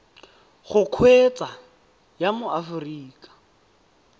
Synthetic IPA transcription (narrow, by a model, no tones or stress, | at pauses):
χʊkʰwet͡sʼa | jamʊafʊriːkʼḁ